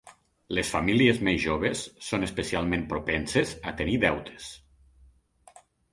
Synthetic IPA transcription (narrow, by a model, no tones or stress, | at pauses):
lesfamiliezmezʒoβ̞esːonespesialˠmẽmpɾopɛnsezat̪eniðɛwt̪ʰe̥s